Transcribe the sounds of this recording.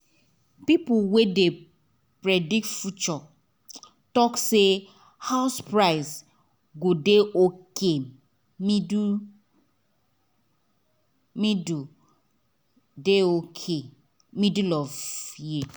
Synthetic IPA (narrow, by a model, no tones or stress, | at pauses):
pipʊwede | pɾedik̚tfut͡ʃɔ | tɔkse | haʊspɾaɪz | ɡodeʔoke | mid | midu | deokʰe | midulɔvji